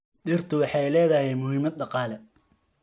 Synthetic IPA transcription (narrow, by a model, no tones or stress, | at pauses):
ɖɪrt̪ʰʊwɑħɑjlɛːðɐhɛjmʊɦiːmɐd̪̚ɖɑqɑːlɛ